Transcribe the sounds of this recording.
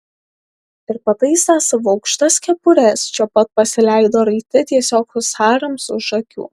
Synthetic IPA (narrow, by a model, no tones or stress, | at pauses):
ɪɾpɐt̪ɐɪsaːsɐʋʊɒʊkʃt̪ɐskʲɛpʊɾʲɛst͡ʃʲɛpɐt̪̚pɐsʲɪlʲæɪd̪oːɾɐɪt̪ʲɪt̪ʲiɛsʲoːkʊsxɑːɾɐmsʊʒɐkʲṵː